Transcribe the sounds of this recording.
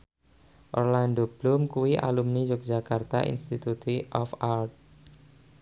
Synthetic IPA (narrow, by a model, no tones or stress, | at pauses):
ʔɔrlandob̥lʊmkuwiʔa̰lumnid͡ʒok̚d͡ʒakart̪a̰ʔḭnst̪it̪ut̪iʔɔfart̪̚